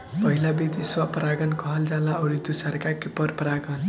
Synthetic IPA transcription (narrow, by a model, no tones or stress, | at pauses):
pʌɦilabid̪iswʌpɾaɡʌnkʌɦʌld͡zalaʌɾid̪usʌrkakepʌrpɾaɡʌn